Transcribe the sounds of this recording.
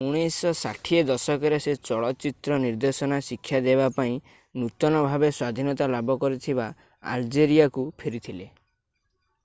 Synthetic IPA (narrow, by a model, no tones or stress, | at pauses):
uɽ̃isɔsaʈʰied̪ɔsɔkɔɾeset͡ʃɔɭɔt͡ʃit̪ɾɔniɾd̪esɔnasikʰːjad̪ebapaĩ | nut̪ɔnɔbʱabeswad̪ʱinɔt̪alabʱɔkɔɾit̪ʰiba | a̰ld͡ʒeɾiakupʰiɾit̪ʰile